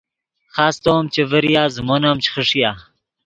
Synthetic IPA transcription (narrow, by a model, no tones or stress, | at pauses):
χaːst̪oːmt͡ʃevəɾijaːzmonamt͡ʃχəʂijaː